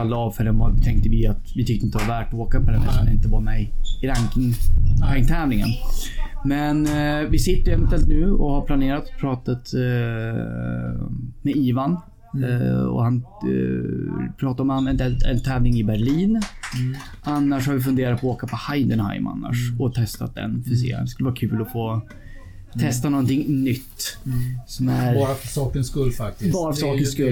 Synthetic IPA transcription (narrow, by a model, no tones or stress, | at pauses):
alːaɑːvfœɖɛnvat̪ʰɛŋk̚t̪əvɪat̪vɪt̪ʰʏkt̪əɪnt̪əvavæːʈɔoːkapʰɔd̪ɛnɛ̰anɾɪnt̪əvɑːamɛjɪɾaŋkɪhaŋt̪ʰɛːvlɪŋə̰n | mɛnvɪsɪt̪ːəɾɛmɛnt̪ɛːlt̪nʉ̟ːɔhaɾpʰlaneːɾat̪pʰɾɑːt̪at̪ | mɛiːvan | ɔ̰han | pʰɾɑːt̪aɾɔmanɛnt̪ɛlɛ̰nt̪ʰɛːvlɪŋɪbæɾɭiːn | anːaʂhaɾvɪfɵnd̪eːɾat̪pʰɔoːkapʰɔhajd̪ənha̰ɪma̰nːa̰ʂɔt̪ʰɛst̪a̰t̪̚d̪ɛ̰nfʰəsḛːd̪ɛskɵləvɑːakʰʉ̟ːlɔfoː | t̪ʰɛst̪anɔnt̪ɪŋːnʏt̪ːsɔmæɾɾfsɑːkənskɵlːfak̚t̪ɪbɑːɾafsɑːkənskɵlː